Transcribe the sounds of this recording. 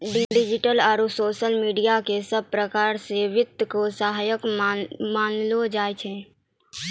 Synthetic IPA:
ɖiɖɪd͡ʒiʈəlaːɾusoːʃəlmiːɖijakesəb̚pɾəkaːɾseʋɪt̪ːkosaɦajəkmaːnlod͡ʒaːjt͡ʃʰɛ̃

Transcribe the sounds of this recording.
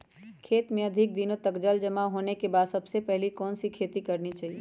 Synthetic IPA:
kʰeːt̪mẽɐd̪ʱɪk̚d̪inõt̪ɐkd͡ʒəld͡ʒɐmaɦoːnekebaːd̪sɐbsepɛɦlikɔːnsikʰeːt̪ikɐɾnit͡ʃaːɦieː

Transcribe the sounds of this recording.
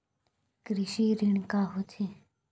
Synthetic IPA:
kɾɪʃiːɾiɳkaːɦot͡ʃʰe

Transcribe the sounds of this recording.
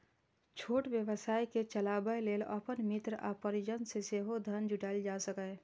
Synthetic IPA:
t͡ʃʰoːʈbjəʋəsaːiket͡ʃəlabəjleːlə̰pənmit̪ɾʔa̰pəɾid͡ʒənseseɦod̪ʱənd͡ʒuʈald͡ʒasəkə

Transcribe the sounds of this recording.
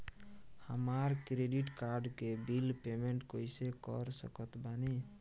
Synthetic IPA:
həmaɾkɾeɖiʈkaɾɖkebilpemeɳʈkojsekə̰ɾsə̰kət̪bani

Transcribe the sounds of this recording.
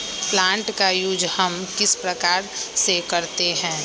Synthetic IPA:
plãːɳʈkajʊd͡ʒhəmkɪspɾəkaːɾsekɐɾt̪eɦɛ̃ː

